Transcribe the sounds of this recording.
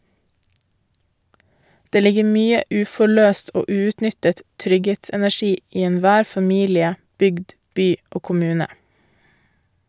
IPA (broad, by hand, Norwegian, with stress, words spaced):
ˈdeː ˈlɪɡə ˈmyːə ˈʉːfɔˌɭøːst ˈoː ˈʉːʉːtˌnʏtət ˈtɾʏɡheːtsɛnæˌçiː ˈiː ɛnˈʋæːɾ fɑˈmiːlɪə ˈbʏɡd ˈbyː ˈoː kʊˈmʉːnə